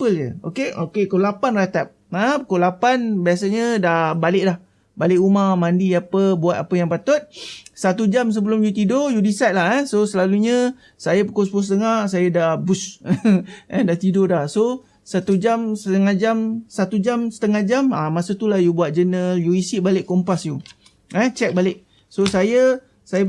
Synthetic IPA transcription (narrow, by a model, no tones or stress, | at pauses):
pələ̰o̰keokekəlapanrat̪ap̚əkəlapanbias̬aɲədahbalɪʔlah | balɪʔumamãndiapəbuat̪̚apəjaŋpat̪ʊt̪̚sat̪ud͡ʒams̬əbəlʊmjut̪̬idojudisat̪̚laɦɛsosəlaluɲə | sajapəkɔsbʊsət̪əŋaʔsajədahbʊs | ɛdaht̪idodahso | sat̪ud͡ʒamsət̪əŋahd͡ʒamsat̪ud͡ʒamsə̥t̪əŋahd͡ʒamamasət̪ulahjubuat̪̚d͡ʒənəljuisiʔbalɪʔkompasju | ɛt͡ʃɛk̚balɪʔ̚ | sosajə | sajə